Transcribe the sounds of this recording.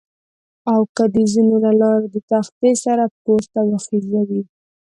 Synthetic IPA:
awkad̪əzinolalɑɾed̪ət̪axt̪esaɾapkost̪awaxizawi

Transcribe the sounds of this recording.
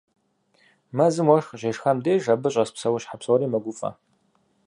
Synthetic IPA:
mɐzɨmwɔʂχʒeʂxɐmdeːʒɐbɨɕʼɐspsɐwʊɕħapswɔɾiːmɐɡʷʊfʼɐ̰

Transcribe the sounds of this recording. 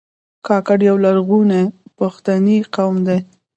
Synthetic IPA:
kɑkaɽjawlaɾɣunepaxt̪aniqawmd̪aj

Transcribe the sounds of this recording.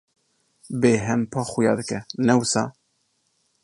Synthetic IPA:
beːɦɛmpʰɑːxʊjɑ̰ːd̪ɨkɛnɛwusɑ̰ː

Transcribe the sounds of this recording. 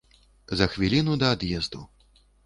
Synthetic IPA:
zɐxvʲilʲinud̪ɐːd̪jɛzd̪u

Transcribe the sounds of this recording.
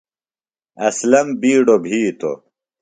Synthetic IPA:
ɐslɐmbiːɖobʱiːt̪o̰

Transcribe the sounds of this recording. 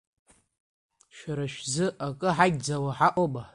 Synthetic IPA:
ʃaɾaʃzɨakʼɨħaɡʲd͡zawaħaʔʷʼoba

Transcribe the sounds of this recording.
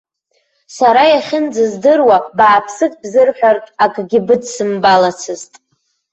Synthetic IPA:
saɾajaχʲɪnd͡zɨzdɨrwabaːpʰsɨkʼbzɨrħʷᶣartʼakʼɡʲɪbɨdsɨmbalat͡sʰɨztʼ

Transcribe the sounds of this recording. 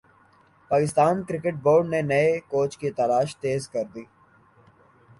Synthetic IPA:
paːkɪst̪aːnkɾɪkeʈ̚boːɾɖnenɐekoːt͡ʃkit̪ɐlaːʃt̪eːzkɐɾd̪iː

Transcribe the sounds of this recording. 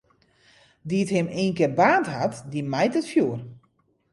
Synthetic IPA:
diəthɪmiːnkɪːrbaːnthatdimɛjtətfjuər

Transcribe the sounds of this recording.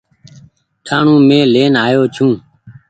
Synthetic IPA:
ʈʰaːɳũːmẽːleːnaːjoːt͡ʃʰũː

